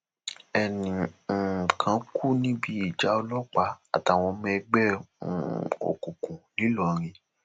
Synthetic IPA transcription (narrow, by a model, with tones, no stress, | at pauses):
ɛ˨nĩ˨ | kʰã˨˦kʰu˦˨nĩ˦bi˦i˦˨d͡ʒa˨˦o˧lɔ˦˨k͡pa˨˦a̰˨ta˨w̃ɔ̃˧mɛ̃˧ɡ͡bɛ̰˦˨ | o̰˨kũ˨kũ˨li˨˦lɔ˨ɾ̃ĩ˧